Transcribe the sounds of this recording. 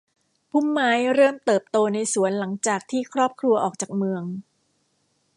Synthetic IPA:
pʰu˥˩mːaː˦˥jɾɤː˥˩mt̪ɤː˨˩p̚t̪oː˧na˧jsu˩˦ənla˩˦ŋt͡ɕaː˨˩k̚t̪ʰiː˥˩kʰɾɔː˥˩p̚kʰɾu˧ɐʔɔː˨˩k̚t͡ɕaː˨˩k̚mɯ˧əŋ

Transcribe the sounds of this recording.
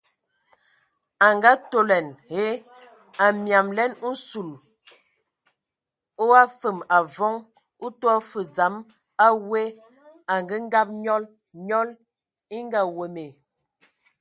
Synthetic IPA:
a˨ŋɡa˦to˦lɛ˨nhe˦ | a˨mja˨mlɛ˦n̩˦su˨l | o˦a˦fə˨ma˨vɔ˦ŋ | u˦twɔ˦fə˨d͡za˨˦m | a˦we˦ | a˨ŋɡə˦ŋ˦ɡa˦p̚ɲɔ˦l | ɲɔ˦l | i˦ŋ˦ɡa˦we˨me˨

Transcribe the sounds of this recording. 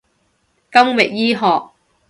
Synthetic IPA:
kɐ˥mwɪ˨k̚jiː˥ɦɔː˨k̚

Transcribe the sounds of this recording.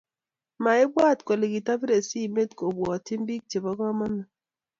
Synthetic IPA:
ma˨ɪ˦bwa˦˨tkwe˨le˨ɡi˨ta˦bi˦ɾe˨si˦˨me˦tko˨bɔ˨tɪ˦mbi˦k̚t͡ʃe˨bɔ˦kɔ˦ma˦nɔ˨

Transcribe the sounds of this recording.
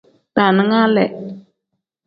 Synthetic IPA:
ta˨nɨ˦ŋa˦lɛ˨ʔ

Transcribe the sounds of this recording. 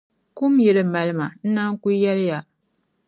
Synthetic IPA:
ku˦mjɛ˨lɨ˦ma˨lɨ˦ma˨n̩˦na˦ŋ˦ku˦jɛ˦lɪ˦ja˨

